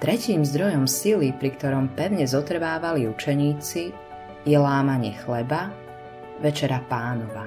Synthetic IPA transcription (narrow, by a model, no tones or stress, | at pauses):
t̪ɾɛciːmzd̪ɾɔjɔmsilipɾikt̪ɔɾɔmpɛʊɲɛzɔt̪r̩ʋaːʋaliut͡ʃɛɲiːt͡si | jɛlaːmaɲɪɛxlɛba | ʋɛt͡ʃɛɾapaːnɔʋa